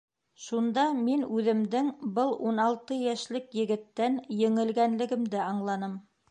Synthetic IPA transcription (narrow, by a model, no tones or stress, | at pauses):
ʃund̪ɑminʉðɘ̆md̪ɘŋbɤlˠunɑlˠt̪ɤjæʃlɘkjɘ̆ɡɘ̆t̪ːænjɘ̆ŋɘ̆lɡænlɘ̆ɡɘ̆md̪ɘɑɴlˠɑnɤm